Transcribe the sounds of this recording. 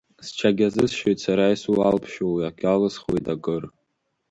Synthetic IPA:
st͡ʃʰaɡʲazɨsʃojtsaɾajsulalpʰʃowiakʲʼalɨsχwojtakʼɨr

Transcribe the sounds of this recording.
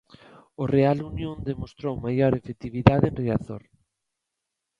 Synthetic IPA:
orealunjõnd̪emost̪ɾowmajoɾefet̪iβiðaðenreaθo̰ɾ

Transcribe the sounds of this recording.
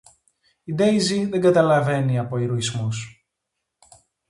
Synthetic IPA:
id̪ejziðe̞ŋɡɐt̪ɐlɐve̞niɐpo̞iɾoizmus

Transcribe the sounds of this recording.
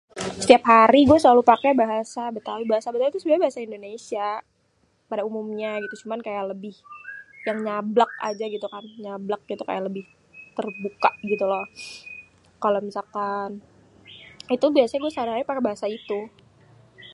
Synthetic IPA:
sə̥t̪iapɦaɾiɡuasəlalupakɛbaɦasabət̪awibaɦasabət̪awit̪usbiabaɦasaindonesia | padaumumɲaɡit̪ut͡ʃumankajaləbɪhjaŋɲablak̚a̰d͡ʒaɡit̪ukanɲablak̚ɡit̪uka̰jaləbɪh | t̪ərbukaɡit̪ulɔ | kalomisalkan | it̪ubiasaɲaɡuɛsəaɾiɦaɾipakɛbaɦasait̪u

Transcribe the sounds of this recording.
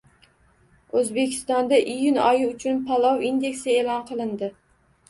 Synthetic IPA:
ɵzbe̞kʲʰɪ̥st̪ɒnd̪aʔijʊnɒjɪʊt͡ʃʰʊnpʰalˠɒwind̪e̞kʲsɪelɒnqʰɨlˠɪnd̪ɪ

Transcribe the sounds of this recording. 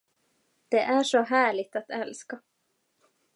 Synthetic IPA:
d̪̥ɛʔæʂɔɦæːɭɪɡ̚t̪at̪ɛlska

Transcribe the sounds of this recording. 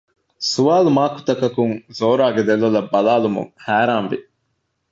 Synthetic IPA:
suʋaːlumaːku̥t̪ɐkɐkuŋzoːɾaːɡed̪elːɐlɐbːɐlaːlumṵŋhæːɾaːnʋḭ

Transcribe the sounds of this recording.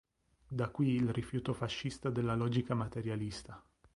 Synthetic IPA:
d̪akːwiːlrifjuːt̪ofaʃːist̪ad̪elːalɔːd͡ʒikamat̪eɾjalist̪a

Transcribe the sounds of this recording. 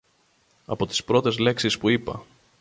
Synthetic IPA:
ɐ̰po̞t̪i̥spɾo̞t̪e̞zle̞ksispuipɐ̰

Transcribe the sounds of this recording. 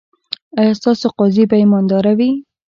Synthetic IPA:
ajst̪ɑsoqɑzipajmɑnd̪ɑɾawi

